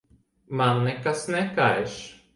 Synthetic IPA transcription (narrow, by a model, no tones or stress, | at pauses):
manːɛkasnɛkaeʃ